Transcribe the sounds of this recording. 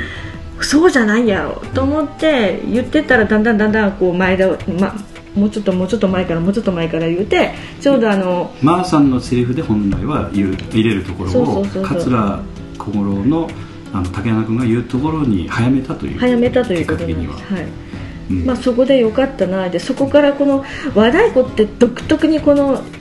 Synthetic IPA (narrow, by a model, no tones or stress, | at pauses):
so̞ːʑanaijaɾo̞̰t̪o̞ːmo̞t̪ːe̞jɯ̟t̪ːe̞t̪aɾad̪ãnd̪ãnd̪ãnd̪ãŋko̞ːmaed̪ama | mo̞ːt͡ɕo̞t̪ːo̞mo̞ːt͡ɕo̞t̪ːo̞maekaɾamo̞ːt͡ɕo̞t̪ːo̞maekaɾajɯ̟ːt̪e̞ | t͡ɕo̞ːd̪o̞ano̞maːsãnːo̞seɾʲiɸɯ̟d̪e̞hõ̞nla̰iβajɯːiɾe̞ɾɯ̟t̪o̞ko̞ɾosooo̞ːsoːkʰat͡sɨɾa | kʰoɡoɾono̞ | anot̪akenanakɯ̟̃ŋɡajɯ̟ːt̪o̞ko̞ɾo̞ɲ̟ḭhajame̞t̪at̪o̞̰jɯ̰hajamet̪at̪o̞jɯ̟ːkot̪onaḭa̰̥shaĩ | maso̞ko̞d̪e̞jo̞kat̪ːanad̪e̞so̞ko̞kaɾako̞no̞ | βad̪aiko̞t̪ːe̞d̪̥o̞kɯ̟̥t̪ːo̞kɯ̟ɲ̟iko̞no̞